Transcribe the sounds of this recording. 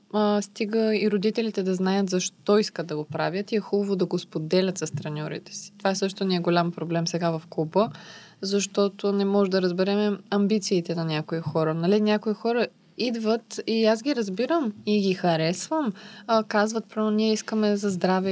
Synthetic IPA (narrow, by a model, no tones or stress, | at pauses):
st̪iɡəiɾod̪it̪ɛlit̪ɛd̪ɐznajət̪zɐʃt̪ɔiskəd̪̚ɐɡopɾavʲjət̪iɛxubˠəvod̪ɐɡospod̪ɛlʲət̪sɐst̪ɾɐnʲɔɾḭt̪ɛ̥si̥t̪ovaɛsɤʃt̪oniɛɡolʲampɾoblɛmsɛɡavɐfkubə | zɐʃt̪ɔt̪onɛmɔʒɛd̪ɐɾəzbɛɾɛmɛɐmbit̪siːt̪ɛnɐnʲakoixɔɾənɐlinʲjakoixɔɾə | id̪vət̪iazɡiɾɐzbiɾəmiɡixɐɾɛsvəmkazvət̪̚pɾɔmniɛiskəmɛzɐzd̪ɾavɛ